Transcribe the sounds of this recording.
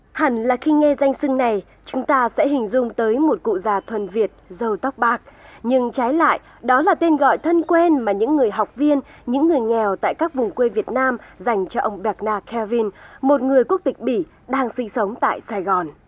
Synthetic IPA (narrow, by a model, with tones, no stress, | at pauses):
ha˨˩nlaː˨˩xi˧ŋɛ˧za˧jŋ̟sɨ˧ŋna˨˩j | t͡ɕʊ˨˦ŋ͡mt̪aː˧sɛ̰˧˥ɦï˨˩ŋ̟zʊ˧ŋ͡mt̪əː˨˦jmo˨˩t̚kṵ˧˨zaː˨˩t̪ʰwə˨nvi˨˩ət̚zə˧wt̪a˦˥wk͡p̚ɓaː˦˥k̚ɲɨ˧ŋt͡ɕaː˨˦jla̰ː˧˨j | ɗɔ˨˦laː˨˩t̪e˧nɣɔ̰˧˨jt̪ʰə˧nkwɛ˧nmaː˨˩ɲɨ̰˧˥ŋːɨ˨˩əjɦa˨˩wk͡p̚vi˧ənɲɨ̰˧˥ŋːɨ˨˩əjŋɛ˨˩wt̪a̰ː˧˨jkaː˦˥k̚vʊ˨˩ŋ͡mkwe˧vi˨˩ət̚naː˧mza˨˩jŋ̟t͡ɕɔ˧ʔə˧wŋ͡mɓɛ˨˩k̚naː˧kʰɛ˧vi˧nmo˨˩t̚ŋɨ˨˩əjku˦˥ək̚t̪ï˨˩k̟̚ɓi˧˩ | ɗaː˧ŋsi˧ŋsə˨˦wŋ͡mt̪a̰ː˧˨jsaː˧jɣɔ˨˩n